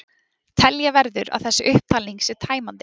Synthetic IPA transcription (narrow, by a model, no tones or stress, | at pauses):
t̪ʰɛljavɛɾðʏɾa̰ðθɛsːɪʔʏhp̚t̪ʰaːliŋksɛɾt̪ʰaːjmant̪ɪ